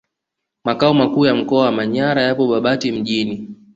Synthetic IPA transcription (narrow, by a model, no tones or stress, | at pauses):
makaɔmakuːjam̩kɔawamaɲaɾajapɔɓaɓatim̩ʄini